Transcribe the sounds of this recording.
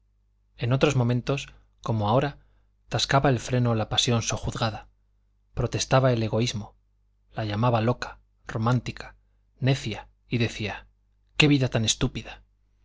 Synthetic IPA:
e̞not̪ɾo̞zmõ̞mẽ̞nt̪o̞s | ko̞moao̞ɾa | t̪askaβae̞lfɾe̞no̞lapasjo̞nsoxuθɣaða | pɾo̞t̪e̞st̪aβae̞le̞ɣo̞izmo̞ | laʎamaβalo̞kḁ | ro̞mãnt̪ikʰḁ | ne̞θja | iðe̞θia | ke̞βiðat̪ane̞st̪upiða

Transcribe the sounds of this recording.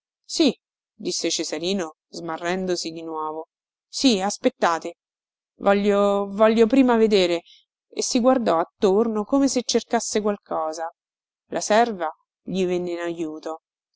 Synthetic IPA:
si | d̪isːet͡ʃezaɾiːno | zmarːɛnd̪osid̪inwɔːvo | siaspet̪ːaːt̪e | vɔʎːovɔʎːopɾiːmaved̪eːɾe | ḛsːiɡward̪ɔat̪ːornokomeset͡ʃːerkasːekwalkʰɔːza | lʔasɛrva | ʎivenːeinajuːt̪o

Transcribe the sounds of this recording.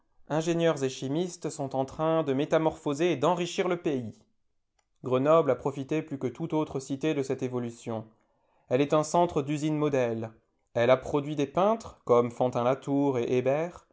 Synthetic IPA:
ɛ̃ʒeɲjœʁzeʃimist̪sɔ̃t̪ɑ̃t̪χɛ̃d̪əmet̪amɔʁfozeːd̪ɑ̃ʁiʃiʁləpei | ɡʁənɔblapχɔfit̪eplykət̪ut̪ot̪χəsit̪ed̪əsɛt̪evɔlysjɔ̃ | ɛlɛt̪ɛ̃sɑ̃t̪χəd̪yzinmɔd̪ɛl | ɛlapχɔd̪ɥid̪epɛ̃t̪χkɔmfɑ̃t̪ɛ̃lat̪uʁeʔebɛʁ

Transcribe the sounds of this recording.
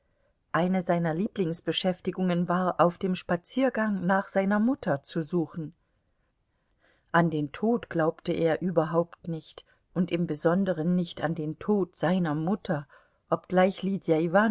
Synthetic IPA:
ʔaɪnəzaɪnɐliːplɪŋsb̥əʃɛftɪɡʊŋənvaːɐʔaʊfd̥eːmʃpat͡siːɐɡaŋnaːχz̥aɪnɐmʊtɐt͡suzuːxn̩ | ʔandeːntʰoːtɡ̥laʊptəʔeːɐʔyːbɐɦaʊptnɪçt | ʔʊntʔɪmbəzɔndəʁənːɪçtandeːntʰoːtz̥aɪnɐmʊtʰɐ | ʔɔp̚ɡ̥laɪçliːdjaivaːn

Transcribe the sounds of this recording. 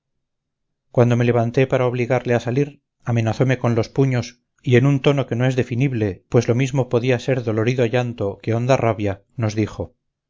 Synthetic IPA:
kwan̪d̪o̞mele̞βant̪e̞paɾaoβliɣaɾleasaliɾ | ame̞naθo̞me̞ko̞nlo̞spuɲo̞s | ie̞nunt̪o̞no̞ke̞noe̞zðe̞finiβle̞pwe̞zlo̞mizmo̞po̞ðiase̞ɾðo̞lo̞ɾiðoaʝant̪o̞ke̞o̞nd̪araβja | no̞zðixo̞

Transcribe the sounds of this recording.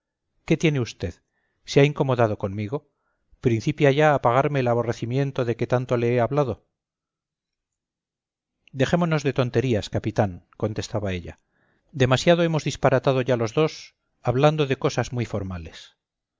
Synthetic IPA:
ke̞t̪je̞ne̞ust̪e̞ð | seaiŋko̞mo̞ðað̞o̞ko̞nmiɣ̞o̞ | pɾin̟θipjaʝaːpaɣ̞aɾmeːlaβ̞o̞re̞θimje̞nt̪oðe̞ke̞t̪ant̪o̞le̞eaβlaðo̞ | d̪e̞χe̞mo̞no̞zðe̞t̪o̞nt̪e̞ɾiaskapit̪aŋko̞nt̪e̞st̪aβae̞ʎa | d̪e̞masjað̞oe̞mo̞zðispaɾat̪aðo̞ʝalo̞zðo̞s | aβland̪o̞ðe̞ko̞sazmwifo̞ɾmale̞s

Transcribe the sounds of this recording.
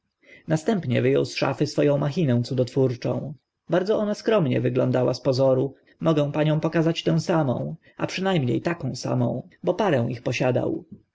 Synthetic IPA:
nast̪ɛmpɲɛvɘjɔ̰wsʂa̰fɘsfɔjɔ̃w̃maxʲinɛ̃w̃t̪sud̪ɔt̪fuɾt͡ʂɔ̰̃w̃ | baɾd̪zɔʔɔnaskɾɔmɲɛ̰vɘɡlɔ̰̃nd̪awaspɔzɔɾu | mɔɡɛ̃w̃paɲɔ̃w̃pɔkazat͡ɕt̪ɛ̃w̃samɔ̰̃w̃ | ʔa̰pʂɘnajmɲḛjt̪akɔ̃w̃sa̰mɔ̰̃w̃bɔpaɾɛ̃w̃ixpɔɕad̪a̰w

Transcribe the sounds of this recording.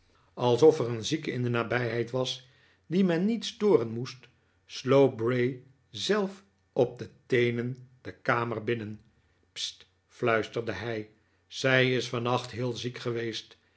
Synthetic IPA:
ɑlˠsɔfɛrənzikɪ̰ndənaːbɛjɦɛjtʋɑs | dimɛnːitstʊːrənmust | slowt̚brej | zɛlˠf | ɔb̚dətejnənd̥əkaːməɹbɪnən | pst | flœɥstəɹdəɦɛj | z̥ɛjɪsfɑnɑχtɦɪːlˠzikχəʋejst

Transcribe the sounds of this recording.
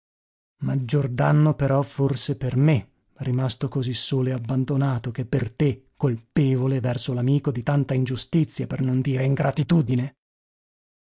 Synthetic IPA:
mad͡ʒːord̪anːopeɾɔforseperme | rimast̪okozisːoːleabːand̪onaːt̪ok̟epːert̪ekːolpeːvolevɛrsolamiːkod̪it̪ant̪aind͡ʒust̪it̪sːjapernond̪iːɾeiŋɡɾʔat̪it̪uːd̪ine

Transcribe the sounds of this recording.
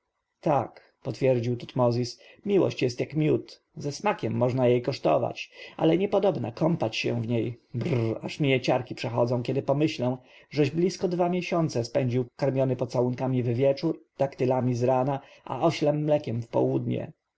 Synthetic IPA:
t̪ak | pɔt̪fʲjɛɾd͡ʑiwt̪ut̪mɔzʲismʲiwɔ̰ɕt͡ɕjɛst̪jakmʲjut̪ | zɛsmakʲɛmːɔʐnajejkɔʂt̪ɔ̰va̰t͡ɕʔa̰lɛɲɛpɔd̪ɔbna̰kɔmpat͡ɕɕɛ̰vɲejbraʂmʲiɛt͡ɕaɾkʲipʂɛxɔ̰d̪zɔ̃w̃kʲɛd̪ɘpɔmɘɕlɔ̃w̃ʐɛʑblʲiskɔd̪vamʲjeɕɔnt̪sɛspɛɲd͡ʑiwkaɾmʲjɔnɘpɔt̪sawuŋkamʲivvʲjɛt͡ʂuɾt̪akt̪ɘlamʲizɾanaʔa̰ɔɕlɛmːlɛkʲɛmfpɔ̰wud̪ɲɛ̰

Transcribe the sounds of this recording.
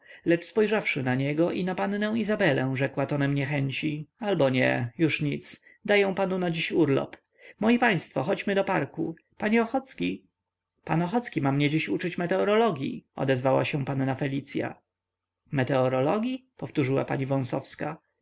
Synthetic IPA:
lɛt͡ʂspɔjʐafʂɘnaɲɛɡɔʔinapannɛ̃w̃izabɛlɛ̃w̃ʐɛkwat̪ɔnɛmɲɛxɛɲt͡ɕialbɔɲɛ̰juʂɲit̪s | d̪ajɔ̃w̃panunad͡ʑiɕuɾlɔ̰p | mɔjipaj̃st̪fɔxɔd͡ʑmɘd̪ɔpaɾkṵ | paɲɛɔxɔt̪skʲi | panɔxɔt̪skʲimamɲɛd͡ʑiɕut͡ʂɘt͡ɕmɛt̪ɛɔɾɔlɔɡʲjḭɔ̰d̪ɛzvawa̰ɕɛ̃panːafɛlʲit̪sʲja̰ | mɛt̪ɛɔɾɔlɔɡʲjipɔft̪uʐɘwa̰paɲivɔ̃w̃sɔfska

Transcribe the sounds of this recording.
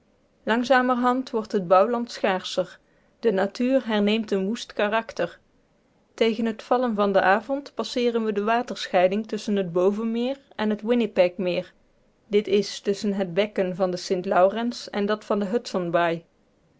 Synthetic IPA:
lɑŋzaːməɹɦɑntʋɔɹtɦəd̚bɑwlɑntsχaːɹsəɹ | d̥ənatyːrɦɛɹnejmtənʋustkarɑktəɹ | tejɣənɦətfɑlənvɑndəʔaːvɔntpɑsɪːrənʋədəʋaːtəɹsχɛjdɪŋtɵsənɦəd̚bowvənmɪːɹ | ɛnɦətwɪnɪpɛkmɪːɹ | dɪtɪstɵsənɦəd̚bɛkənvɑndəsɪntlɑwrɛnsɛ̰ndɑtfɑndəɦɵtsənbaj

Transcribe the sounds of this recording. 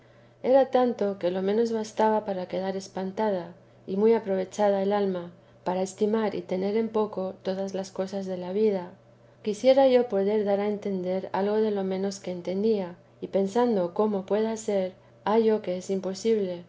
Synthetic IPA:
e̞ɾat̪ant̪o̞ke̞lo̞mẽ̞no̞zβast̪aβapaɾake̞ðaɾe̞spant̪að̞a | imujapɾo̞β̞e̞t͡ʃað̞ae̞lalma | paɾae̞st̪imaɾḭt̪e̞ne̞ɾe̞mpo̞ko̞t̪o̞ð̞azlasko̞sazðe̞laβ̞ið̞a | kisje̞ɾaʝo̞po̞ðe̞ɾðaɾae̞nt̪e̞nd̪e̞ɾa̰lɣo̞ðe̞lo̞mẽ̞no̞ske̞ːnt̪e̞nd̪ia | ipe̞nsand̪o̞ko̞mo̞pwe̞ðase̞ɾ | aʝo̞ke̞esimpo̞siβle̞

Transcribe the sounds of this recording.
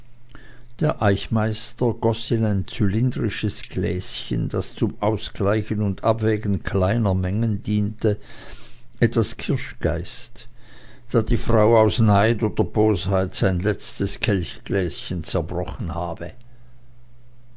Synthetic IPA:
d̥eːɐʔaɪçmaɪstɐɡ̥ɔsinaɪnt͡sylɪndʁɪʃəsɡ̥lɛ̰ːsçə̰nd̥ast͡sʊmʔaʊsɡ̥laɪçənʊnda̰bvɛːɡn̩kʰl̥aɪnɐmɛŋəndiːntə | ʔɛtv̥askʰɪɐʃɡ̥a̰ɪst | d̥aːd̥iːfʁ̥aʊaʊsnaɪtoːdɐboːshaɪtz̥aɪnlɛt͡stəskʰɛlçɡ̥lɛːsçənt͡sɛɐbʁɔχən̩haːb̥ə

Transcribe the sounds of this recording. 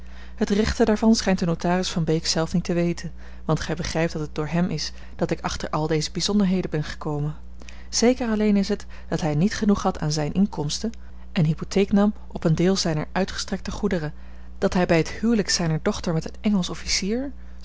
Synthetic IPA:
hətrɛχtədaːɹvɑnsχɛjntdənowtaːrɪsfɑnbejksɛlˠfnitəʋejtən | ʋɑntχɛjbəχrɛjp̚d̥ɑtəd̚d̥ʊːɹɦɛmʔɪs | d̥ɑtɪkɑχtəɹʔɑlˠdejzəbizɔndəɹɦejdənbɛnχə̥kowmən | z̥ejkərɑlejnɪsɦət | d̥ɑtɦɛjnitχənuχɦɑtʰaːnzɛjnʔɪŋkɔmstə | ʔɛnɦipotʰejknɑmʔɔpəndɪːlˠzɛjnəɹœɥtχə̥strɛk̚təχudərə | d̥ɑtɦɛjbɛjɦəthywləksɛjnəɹdɔχtəɹmɛtənɛŋəlˠsɔfisiːɹ

